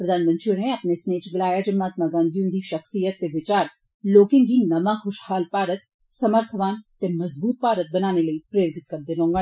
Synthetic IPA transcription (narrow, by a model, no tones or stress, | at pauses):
pɾɐd̪ʱaːnmə̃nt̪ɾioneɐpnesneːt͡ʃɡɪlaːjad͡ʒɐmːaːt̪maɡãːnd̪jũnd̪iʃɐxsijət̪ːeʋɪt͡ʃaːɾ | loːkɪ̃ŋɡinɐmaxʊʃhaːlpaːɾət̪̚ | sɐməɾt̪ʰəʋaːnt̪emɐzbuːt̪̚paːɾət̪̚bɐnaːneləipɾeːɾd̪ɪt̪̚kɐɾd̪ɪnõːŋɡa